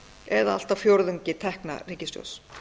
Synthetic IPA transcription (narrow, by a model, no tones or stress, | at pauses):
ɛðaa̰l̥t̪avfjowɾðʏɲcɪt̪ʰɛhkna̰riːcɪst̪jo̰ws